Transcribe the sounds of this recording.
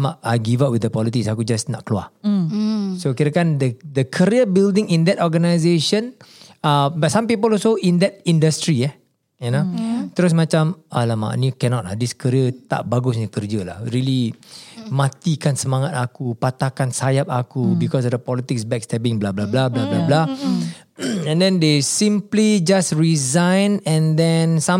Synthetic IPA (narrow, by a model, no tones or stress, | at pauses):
maʔaɡivaʔ̚widəpɔlit̪ɪksakud͡ʒasnɔʔ̚klua̰ | sokiɾəkand̪əd̪əkʰəɾiəbildɪ̃ŋĩnd̪ɛtɔɡənajzeʃə̃nabasãmpipəlɔsoʔĩnd̪ɛt̚ĩndəst̪ɾiɛ | inot̪əɾʊs̬mat͡ʃamalama̰ʔnikɛnɔt̚a̰diskəɾiət̪a̰ʔbaɡusɲəkərd͡ʒəla̰hɹili | mãt̪ikansəmãŋat̪̚akupat̪akansajap̚akubikɔs̬ɔfdəpɔlit̪ɪksbɛk̚st̪ɛbĩŋblablablablablabla | ɛ̃ndɛ̃ndesĩmplid͡ʒasɹizãjnɛ̃ndɛ̃nsã